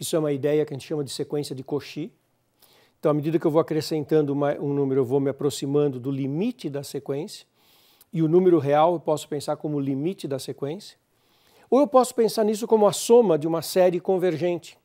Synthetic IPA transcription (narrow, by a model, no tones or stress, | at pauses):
isʊɛũmɐid̪ɛjɐkɪɐʒẽtt͡ʃɪʃɐ̃mɐd̪ɪsekwẽsijɐd͡ʒɪkoʃi | ẽt̪ɐ̃w̃ɐmed̪id̪ɐkɪewvowakɾesẽnt̪ɐ̃nd̪ʊũmɐũnũmeɾʊewvowmɪapɾosimɐ̃nd̪ʊd̪ʊlimit͡ʃɪd̪ɐsekwẽsjɐ̥ | ɪʊnũmeɾʊɦeawewpɔsʊ̥pẽsaɾkõmʊlimit͡ʃɪd̪ɐsekwẽsjɐ̥ | oewpɔsʊ̥pẽsaɾnisʊkõmʊɐsõmɐd͡ʒɪũmɐsɛɾɪkõveɾʒẽnt͡ʃɪ̥